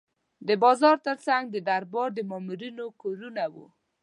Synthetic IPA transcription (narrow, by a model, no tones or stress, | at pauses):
d̪əbɑzɑɾt̪əɾt͡saŋɡ̚d̪əd̪aɾbɑɾd̪əmɑmuɾinokoɾunawṵ